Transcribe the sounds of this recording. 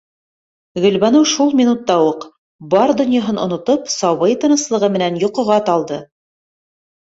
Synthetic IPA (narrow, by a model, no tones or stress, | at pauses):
ɡɵ̆lβɑnɤwʃulˠmʲinut̪ːɑwoq | bɑɾd̪ŏnʲjɑɦɤnʔŏ̰nŏt̪opsɑβɤjt̪ɤ̆nɤ̆slˠɤ̆ʁɤmɘ̆nænjŏqŏʁɑt̪ɑlˠd̪ɤ